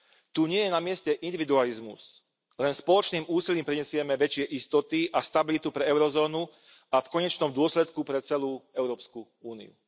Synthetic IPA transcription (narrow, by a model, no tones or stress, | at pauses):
t̪uɲɪɛjɛnamɪɛscɛʔind̪iʋid̪ualizmṵz̥ | lɛnspɔlɔt͡ʃniːmuːsiliːmpɾiɲɛsɪɛmɛʋɛt͡ʃɪɛʔist̪ɔt̪iʔast̪abilit̪upɾɛɛʊɾɔzɔːnu | afkɔɲɛt͡ʃnɔmd̪ʊɔslɛt̪kupɾɛt͡sɛluːɛʊɾɔːpsku | uːnḭṵ